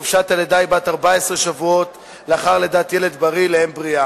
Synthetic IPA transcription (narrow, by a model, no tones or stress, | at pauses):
uvʃat̪aled̪ajbat̪aʁbaesʁeʃavuo̞t̪ | leaχaʁle̞d̪aːt̪je̞le̞d̪baʁilehembʁia